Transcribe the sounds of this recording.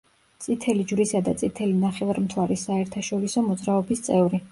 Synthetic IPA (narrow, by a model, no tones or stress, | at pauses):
t̪sʼit̪ʰɛlid͡ʒɾisad̪at̪sʼit̪ʰɛlinaχɛvaɾmt̪ʰwaɾisaɛɾt̪ʰaʃɔɾisɔmɔd̪zɾaɔbist̪sʼɛvɾi